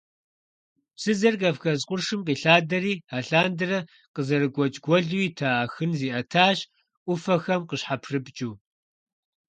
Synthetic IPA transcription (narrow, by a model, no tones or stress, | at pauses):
psɨzɐrkɐfxɐzqʷʼʊrʂɨmqiːɬaːdɐɾiːaːɬaːndɨrɐ | qəzɐɾɨɡʷɔt͡ʃʼɡʷɔɮuiːtʰaːxɨnziːʔɐtʰaːɕ | ʔʷʊfɐxɐmqəɕħapʰrɨpʼt͡ʃʼuː